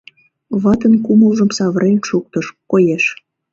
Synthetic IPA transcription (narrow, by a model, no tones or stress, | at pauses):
βɑt̪ənkuməlʒəmsɑβəɾenʃuk̚t̪əʃkojeʃ